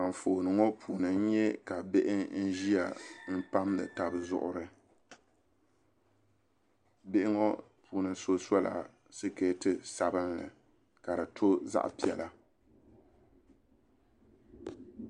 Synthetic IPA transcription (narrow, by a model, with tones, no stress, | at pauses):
a˨ɱ̩˨fo˨nɨ˨ŋo˦pʰuː˨nɨ˨n̩˦ɲɛ˦ka˨be˦ʔɪ˦n̩˦ʒi˦a˨m̩˦pa˦mlɨ̰˨ta˨bɨ˨zʊ̰˦ʔʊ˦ɾɨ˨ | bɪ˦ʔɪ˦ŋo˦ | pʰuː˨nɨ˨so˦sɔ˦la̰˨ | sɨ˦ke˦tɨ˦sa˨bɨ˦nlɨ̰˨ | ka˨ɾɨ˨tʰo˦za̰˦ʔpi˦˨ɛ˨la˦